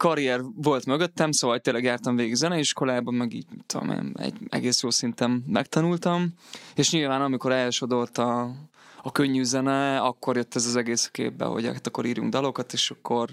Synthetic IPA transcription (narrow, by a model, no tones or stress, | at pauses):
kɒɾijɛrvo̞lt̪møɡøt̪ːɛmsoːvɒlt̪eːnlːɛɡjaːrt̪ɒɱveːɡiɡzɛnɛiʃko̞laːbɒmɛɡḭːɟmit̪ːud̪o̰mḛːnɛ̰ɟɛ̰ɡeːsjoːsint̪ɛmːɛ̰k̚t̪ɒnult̪ɒmeːʃɲilvaːnɒmiko̞ɾɛlʃo̞d̪o̞lt̪ɒ | ɒkø̞ɲːyzɛnɛɒkːo̞rjøt̪ːɛzɒzɛɡeːsɒ̥kḛːbːɛ̰ɦo̞̰ɟ̰ɛt̪ːɒkːo̞ɾiːɾjṵŋɡd̪ɒlo̞kɒt̪eːʃɒkːo̞r